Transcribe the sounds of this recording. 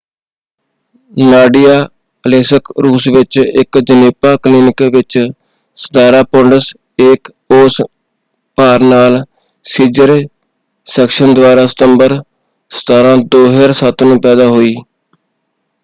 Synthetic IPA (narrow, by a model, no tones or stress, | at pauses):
naːɖɪjaː | əleːsəkɾuːsʋɪt͡ʃɪkd͡ʒəneːpaːkliːnɪkʋɪt͡ʃ | sə̥d̪aːɾaːpɔɳɖəs | ɪːk | oːs | paːɾnaːl | siːd͡ʒəɾ | sɛːkʃənd̪ʊʋaːɾaːsə̥t̪əmbəɾ | sə̥t̪aːɾãːd̪oːɦeɾsət̪ʰnũːpɛːd̪aːɦoːiː